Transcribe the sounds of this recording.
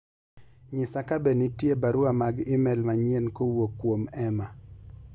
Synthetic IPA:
ɲɪsakabenitjebaɾʊamaɡɪmɛlmaɲienkowokːwomɛma

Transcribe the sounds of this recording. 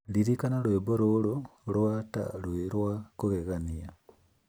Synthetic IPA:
liɾikanalweboɾoːlolwata̰lweɾwakuɣeɣania

